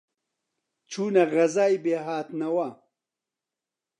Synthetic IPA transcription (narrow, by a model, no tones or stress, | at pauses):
t͡ʃʰuːnɐɣɐzaːjbeːɦaːt̪nɐwɐ